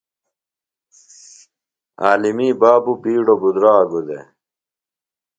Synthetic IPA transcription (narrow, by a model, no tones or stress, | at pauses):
aːlimiːbaːbupiːɽobud̪ɾaːɡud̪ḛ